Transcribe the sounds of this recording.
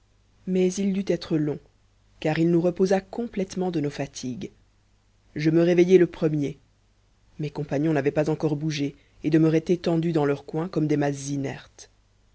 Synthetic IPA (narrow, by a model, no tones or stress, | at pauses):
mɛzild̪yt̪ɛt̪χəlɔ̃ | kaʁilnuʁəpozakɔ̃plɛt̪mɑ̃d̪ənofat̪ʰiɡ | ʒəməʁevejɛləpχəmje | mekɔ̃paɲjɔ̃navɛpazɑ̃kɔʁbuʒe | ed̪əməʁɛt̪et̪ɑ̃d̪yd̪ɑ̃lœʁkwɛ̃kɔmd̪emaszinɛʁt̪